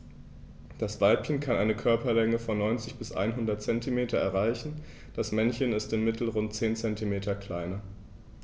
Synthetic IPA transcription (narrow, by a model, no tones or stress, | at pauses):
d̥asv̥aɪlpçənkʰanʔaɪnəkʰœɐpɐlɛŋəfɔnːɔʏnt͡sɪçb̥ɪsʔa̰ɪnɦʊndɐt̚t͡sɛntʰimeːtʰɐɛɐʁaɪçn̩ | d̥asmɛnçənɪstɪnmɪtʰl̩ʁʊnt̚t͡seːnt͡sɛntʰimeːtʰɐkl̥aɪnɐ